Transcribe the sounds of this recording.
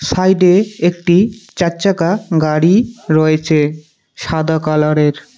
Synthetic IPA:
sajɖeek̚ʈit͡ɕatːt͡ɕakaɡaɽiɾɔet͡ɕʰe | ʃad̪akalaɽeɾ

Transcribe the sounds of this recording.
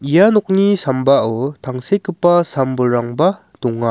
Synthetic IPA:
ijanɔk̚nisambaɔtʰaŋsekɯpːasambɯɾaŋba | dɔŋa

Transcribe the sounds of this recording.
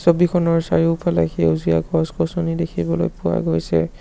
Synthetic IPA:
sobikʰɔnɔɹsaɹipʰala̰xewzija̰ɡɔskɔsɔnidekʰibɔlo̰jpʊwa̰ɡojsɛ̰

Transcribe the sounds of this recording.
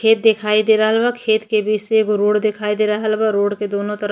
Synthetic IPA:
kʰeːt̪̚d̪ekʰaːid̪eɾəɦəlbakʰeːt̪kebit͡ʃsekoɾoːɽd̪ekʰaːid̪eɾəɦəlbaɾoːɽked̪oːnõt̪əɾ

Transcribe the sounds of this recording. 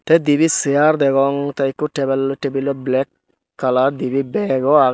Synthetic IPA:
tɛdibisiaɾd̪ɛɡɔŋtaikːutɛbɛltebilːoblɛkː | aladibibɛɡɔa

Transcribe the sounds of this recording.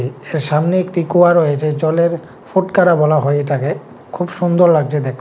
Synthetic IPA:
eɾʃamneekʈikoaɾojet͡ɕʰet͡ɕɔleɾ | foʈkaɾabɔlaɦoeeʈake | kʰubʃund̪oɾlaɡ̚t͡ɕʰed̪ek̪̚ʰ

